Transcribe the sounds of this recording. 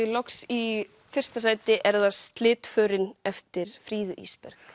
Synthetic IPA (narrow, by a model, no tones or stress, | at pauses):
lɔksi | fɪr̥st̪asaːjt̪ɪʔɛɾðast̪lɪːt̪fœːɾɪnɛft̪ɪɾ̥fɾiːðʏʔḭːspɛ̰ɾx